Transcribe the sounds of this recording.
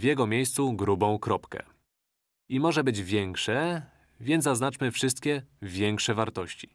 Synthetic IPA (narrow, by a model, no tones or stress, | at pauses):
vjɛɡɔmʲejst̪suɡɾubɔ̃w̃kɾɔpkɛ̰ | imɔʐɛbɘd͡ʑvʲjɛŋkʂɛ | vʲjɛnzaznat͡ʂmɘfʂɘst̪̚kʲɛvʲjɛŋkʂɛvaɾt̪ɔɕt͡ɕi̥